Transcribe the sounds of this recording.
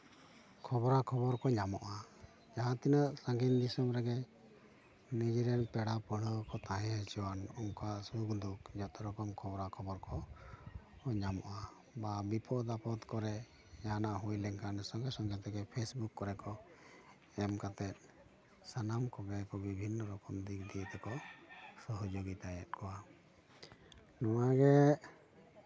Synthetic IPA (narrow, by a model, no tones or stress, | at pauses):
kʰɔbɔɾakʰɔbɔɾkɔɲamɔʔa | d͡ʒaɦãt̪inəʔsaŋɡind̪isəmɾɛɡɛ | nid͡ʒiɾɛnpɛɽapəɽəkɔt̪aɦɛ̃ɦɛt͡ʃɔwanɔŋkasukd̪uk̚d͡ʒɔt̪ɔɾɔkɔmkʰɔbɔɾakʰɔbɔɾkɔ | ɲamɔ̰ʔa | babipʰɔd̪apɔt̪kɔɾɛ | janaʔɦujlɛŋkʰanɛsɔŋɡɛsɔŋkʰɛt̪ɛɡɛpʰesbukːɔɾɛkɔ | ɛmkat̪ɛt̪̚ˀ | sanamkɔɡɛkɔbibʱinːɔɾɔkɔmd̪ikd̪it̪ɛkɔsɔɦɔd͡ʒoɡit̪ajɛt̪̚kʰɔwa | nɔnaɡɛ